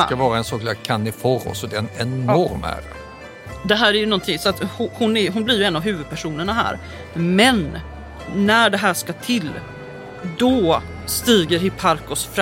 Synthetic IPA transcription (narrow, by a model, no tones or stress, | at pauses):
kavɑːɾaɛnsɔkʰalakʰanːɪfɔɾɔ̰sɔd̪ɛnɛnːɔɾmæ̰ːɾə̰ | d̪ɛɦæːɾæɾjɵnɔnt̪ʰɪŋsɔat̪hʊhʊnæɦʊnblɪɾjɵɛnːavɦʉ̟ːvɵd̪̚pʰæʂuːnəɳaɦæ̰ːɾ | mɛnː | æɖɛɦæːʂkat̪ʰɪlː | d̪ɔ | st̪iːɡəɾhɪpʰːaɾkɔsfɾ